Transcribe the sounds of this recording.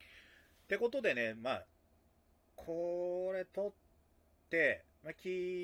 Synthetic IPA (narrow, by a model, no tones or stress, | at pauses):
t̪e̞ko̞t̪o̞d̪e̞ne̞ma | kʰo̞ɾe̞t̪o̞t̪ː | e̞ | makʲi